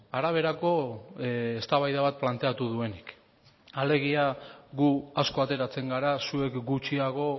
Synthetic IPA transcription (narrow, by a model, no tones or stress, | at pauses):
aɾaβ̞e̞ɾako̞ | est̪aβajðaβat̪̚plant̪e̞at̪uð̞ue̞nik | ale̞ɣ̞iaɣuasko̞at̪e̞ɾat͡se̞ŋɡaɾasue̞kɡut͡ʃiaɣ̞o̞